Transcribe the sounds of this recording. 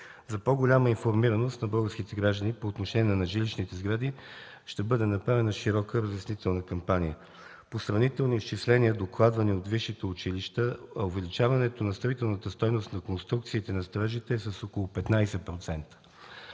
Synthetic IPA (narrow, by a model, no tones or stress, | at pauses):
zɐpoɡolʲaməinfoɾmiɾənost̪nɐbɤlˠɡəɾsk̟it̪ɛɡɾaʒd̪ənipoːt̪noʃɛniɛɛnɐʒiliʃnit̪ɛzɡɾad̪i | ʃt̪ɛbɤd̪ɛnɐpɾavɛnəʃiɾɔkəɾəzɛsnit̪ɛlˠnəkɐmpanijə | posɾɐvnit̪ɛlˠniist͡ʃislɛniəd̪oklˠad̪vɐniot̪viʃːit̪ɛʊt͡ʃiliʃt̪əɐovɛlit͡ʃavɐnɛt̪onɐst̪ɾɐvit̪ɛlˠnət̪əst̪ɔjnost̪nɐkonst̪ɾukt̪siːt̪ɛnɐst̪ɾaʒit̪ɛsɐsokolˠopɛt̪najsɛpɾot̪sɛnt̪ə̥